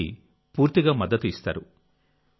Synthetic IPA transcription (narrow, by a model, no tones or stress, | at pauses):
ḭ | puːɾt̪iɡaːmɐd̪ːɐt̪uist̪a̰ːɾu